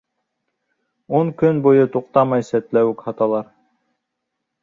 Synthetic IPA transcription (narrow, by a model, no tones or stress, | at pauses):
uŋkɵnbojɤt̪uqt̪ɑmɑjsæt̪læwɘkhɑt̪ɑlˠɑɾ